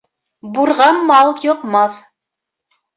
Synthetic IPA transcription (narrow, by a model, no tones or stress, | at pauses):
buɾʁɑnmɑlˠjŏqmɑθ